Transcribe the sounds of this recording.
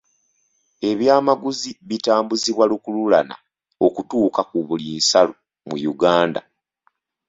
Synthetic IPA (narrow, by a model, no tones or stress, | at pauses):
e̞βjaːmaɡuziβitaːmbuziβwalukululana̰ | okutuːkakuβuliːnsalo | mṵjuɡaːnda̰